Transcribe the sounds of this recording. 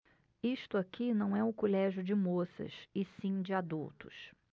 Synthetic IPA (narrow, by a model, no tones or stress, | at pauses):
iʃt̪ʊakinɐ̃w̃ɛʊkolɛʒjʊd͡ʒɪmosɐ̰sɪsĩd͡ʒɪad̪ṵwt̪ʊ̰s